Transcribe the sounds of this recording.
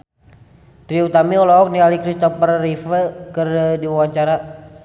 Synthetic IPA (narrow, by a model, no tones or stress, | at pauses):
t̪ɾiut̪amiɔlɔɔk̚nialikɾist̪ɔpərːifəkərdiwawaɲt͡ʃaɾa